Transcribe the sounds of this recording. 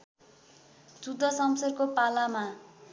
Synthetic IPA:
t͡sud̪ʱːʌsʌmsʌrkopalama

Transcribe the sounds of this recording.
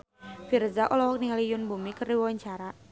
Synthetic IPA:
firzaʔɔlɔɦɔk̚niŋalijʊnbumikəriwɔwaɲt͡ʃaɾa

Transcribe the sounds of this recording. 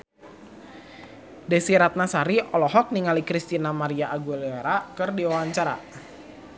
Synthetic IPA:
dɛsiɾat̪̚nasaɾiʔɔlɔɦɔk̚niŋalikɾist̪inamaɾiaʔːɡuleeɾakɨrdiwawaɲt͡ʃaɾa̰

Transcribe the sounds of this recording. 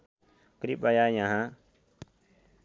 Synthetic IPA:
kɾiɓajaːjãɦãː

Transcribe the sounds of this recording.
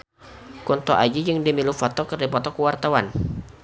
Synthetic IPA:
kɔnt̪ɔʔad͡ʒid͡ʒəŋdimilufɔt̪ɔkərdipɔt̪ɔkəwart̪awan

